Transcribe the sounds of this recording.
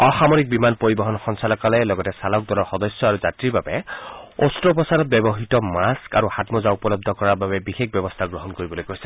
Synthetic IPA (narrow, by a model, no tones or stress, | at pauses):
ɔxamoɹik̚bimanpoɹibɔɦɔnxɔnsalɔkalɛlɔɡɔtɛsalɔk̚d̪ɔlɔɹxɔdɔsjɔaɹuzatɹiɹbabɛostɹɔp̬ɔsaɹɔt̚bɛbɔɦitɔmaska̰ɹuxatmɔzaupɔlɔb̚d̪ʱɔkɔɹaɹbabɛbixek̚bɔbɔst̪ʰaɡɹɔɦɔnkoɹibɔlojkojsɛ